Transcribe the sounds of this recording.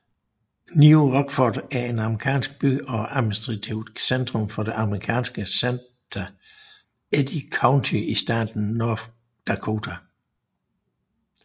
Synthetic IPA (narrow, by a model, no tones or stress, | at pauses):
niuʁɒɡ̥fɒd̥æɐe̝nɑ̈məʁikʰɛ̰ːnsɡ̥̚b̥y̰ɒ̽ʔæ̥minisd̥ʁɑ̈t͡sʰiʊ̰d̥send̥ʁɔ̽mfɒ̽d̥e̝ʔɑ̈məʁikʰɛ̰ːnsɡ̥əsen | d̥ɐ | ed̥ikʰɑ̈ʊnt͡sʰiisd̥ɑ̰̈ːd̥n̩ːɔf | d̥ɑkʰo̝ːt͡sʰæ